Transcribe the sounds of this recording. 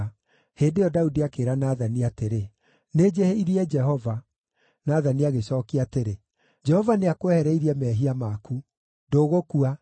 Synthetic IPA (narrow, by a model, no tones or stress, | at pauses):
heːndejɔdaudiakeːɾanaðaniateɾe | ned͡ʒeheiɾiɛd͡ʒɛhɔva | naðaniaɣesɔkiateɾe | d͡ʒɛhɔvaneakoɛhɛɾɛiɾiɛmɛːɦiamaku | ndoːɣokua